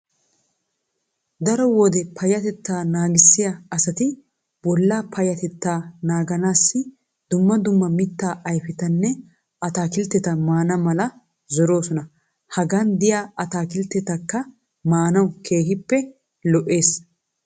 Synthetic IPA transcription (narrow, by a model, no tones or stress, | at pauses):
d̪ɐɾɔwɔd̪ɛpʰɐjɐt̪ɛt̪ːaːnaːɡɪsːɪjaɐsɐt̪ɪ | bɔlːaːpʰɐjɐt̪ɛt̪ːaːnaːɡɐnaːsːɪ | d̪ʊmːɐd̪ʊmːɐmɪt̪ːaːʔɐjfɪt̪ɐnːɛ | ɐt̪aːkɪlt̪ːɛt̪ɐmaːnɐmɐlɐ | zɔɾo̞ːsɔnɐ | hɐɡaːnd̪ɪjaːɐt̪aːkɪlt̪ːɛt̪ɐkːɐ | maːnɐwkʰe̞ːhɪpːɛ | lɔʔe̞ːs